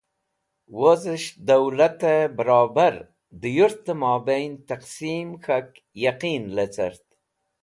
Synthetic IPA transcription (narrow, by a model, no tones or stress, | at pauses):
wozəʃd̪awlat̪ebəɾɑːbaɾ | d̪əjuɾt̪əmɑbejnt̪aqsimxak | jaqinlet͡sa̰ɾt̪